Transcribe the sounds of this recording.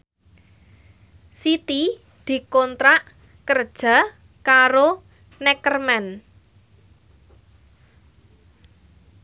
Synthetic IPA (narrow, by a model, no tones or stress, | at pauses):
sit̪i | d̪̥i̤kɔnt̪ɾaʔ | kər̥ʒ̥a̤ | kaɾo | nɛkərmɛn